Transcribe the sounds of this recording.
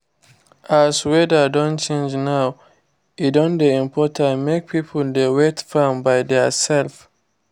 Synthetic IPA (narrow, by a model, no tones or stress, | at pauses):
ʔaswɛdədɔ̃nt͡ʃẽnd͡ʒnaw | idɔ̃ndeĩmpʰɔtʰãmek̚pʰipʰəldewetfãmbaɪdɛsɛlf